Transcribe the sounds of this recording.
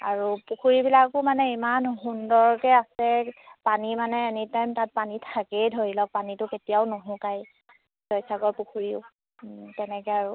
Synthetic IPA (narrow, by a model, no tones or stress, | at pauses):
aɹupukʰuɹibilakʊmanɛimanɦundɔɹkɛasɛpanimanɛenitajmtat̚panitʰakɛjdʱoɹilɔk̚panitʊketijaʊnoɦʊ̃kaj | zɔjsakɔɹpukʰuɹiʊ | tɛnɛkɛaɹu